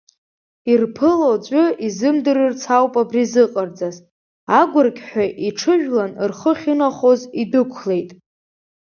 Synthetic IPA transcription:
irpʰɨlot͡ɕʷʼʊizɨmdɨɾɨrt͡sʰawpʼabrizɨqʼərd͡zaz | aɡʷʊrkʲʼħʷᶣaʔiʈ͡ʂʰɨʒᶣlanrχəχʲinaχozidɨkʷʰle̞jtʼ

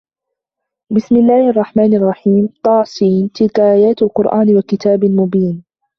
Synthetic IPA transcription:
bɪsmɪlːaːhʔɑrˤːɑħmaːnʔɑrˤːɑħiːmt̪ˤɑʕsiːnt̪ɪlkaʔaːjaːt̪alqʊɾʔaːnwakɪt̪aːblmʊbiːn

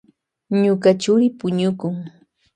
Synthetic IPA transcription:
ɲʊkat͡ʃʊɾɪpʊɲʊkʊŋ

